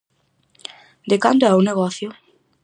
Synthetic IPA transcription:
d̪ekand̪ʊauneɣ̞ɔθjʊ

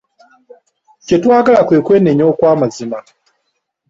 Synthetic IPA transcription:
cetwaːɡalakweːkweːneɲoːkwaːmazima

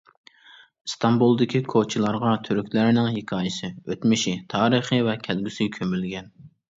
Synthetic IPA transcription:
st̪ʰɑmbulˠd̪ɪkʲʰikʰot͡ʃʰilˠɑɾʁɑt̪ʰyɾykʲlæɾnɪŋɦekʰɑːjɪsɪøt̪mɪʃit̪ʰɑːɾɨχɨvɛkʲʰɛlɡʲysykʲʰømylɡʲɛn

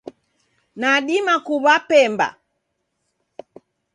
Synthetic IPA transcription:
naɗimakuβapɛmba̰

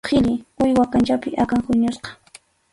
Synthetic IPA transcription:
qʰɪlʎɪʊjwakant͡ʃapɪʔakaŋhʊɲʊsqɑ̥

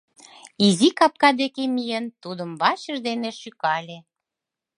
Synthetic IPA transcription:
izikɑp̚kɑd̪ekemijent̪ud̪əmβɑt͡ɕə̆ʒd̪eneʃykɑlʲe

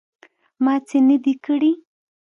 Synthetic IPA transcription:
mɑt͡senəd̪ikəɽi

